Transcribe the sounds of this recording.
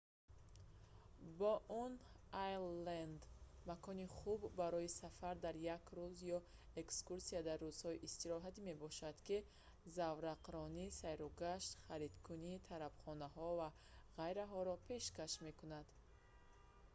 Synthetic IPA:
bɔʔun | ajland̪ | makʰɔniχubːaɾɔisafaɾd̪aɾjakɾuzjɔ | ekskuɾsiad̪arːuz̥hɔiʔist̪iɾɔɦat̪ime̞bɔʃad̪ki | zavɾaqɾɔnisajɾɔɡaʃt̪χaɾid̪kʰunit̪ʰaɾabχɔnaɦɔva | ʁajɾaɦɔɾɔpʰe̞ʃkaʃme̞kunad̪̥

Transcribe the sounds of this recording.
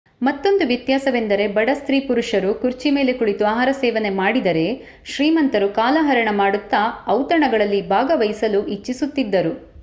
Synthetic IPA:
mɐt̪ːo̞nd̪uʋjɐt̪jaːsɐʋe̞nd̪ɐɾe̞bɐɽɐst̪ɾiːpuɾuʂɐɾukuɾt͡ʃime̞ːle̞kuɽit̪uaːɦaːɾɐsɛːʋɐne̞maːɽid̪ɐɾe̞ | ʃɾiːmɐnt̪ɐɾukaːlaːɦɐɾɐɳɐmaːɽut̪ːɐɐwt̪ɐɳɐɡɐɭɐlːibʱaːɡɐʋɐjisɐluʔit͡ʃːisut̪ːid̪ːɐɾu

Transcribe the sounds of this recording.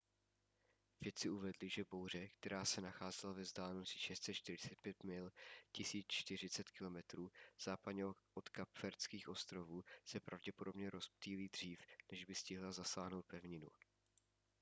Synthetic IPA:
v̥jɛt̪t͡sɪuvɛdlɪʒɛbowr̝ɛkt̪ɛɾaːsɛnaxaːzɛlavɛzd̪aːlɛnosiʃɛst̪sɛt̪t͡ʃt̪ɪɾɪt͡sɛt̪̚pjɛt̪mɪlcɪsiːt͡st͡ʃt̪ɪr̝ɪt͡sɛt̪kɪlo̞mɛt̪ɾuːz̥aːpadɲɛʔot̪kapfɛɾt͡skiːxʔo̞st̪ɾo̞vuːsɛpɾavɟɛpodo̞bɲɛɾo̞sp̚t̪iːliːd̪r̝̥iːfnɛʒbɪscɪɦlazasaːɦno̞wt̪̚pɛvɲɪnṵ

